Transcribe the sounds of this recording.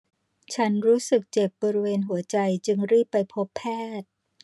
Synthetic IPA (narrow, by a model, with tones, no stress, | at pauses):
t͡ɕʰa˦˥nɾuː˦˥sɯ˨˩k̚t͡ɕe˨˩p̚bɔː˧ɾi˦˥weː˧nɦu˩˦ɐt͡ɕa˧jt͡ɕɯ˧ŋɾiː˥˩pːa˧jpʰo˦˥pʰːɛː˥˩t̪̚